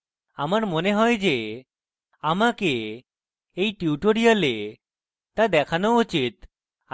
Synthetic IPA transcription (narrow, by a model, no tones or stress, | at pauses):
amaɾmoneɦɔjd͡ʒe | amakeː | jʈiuʈoɽijale | t̪ad̪ɛkʰanout͡ʃit̪̚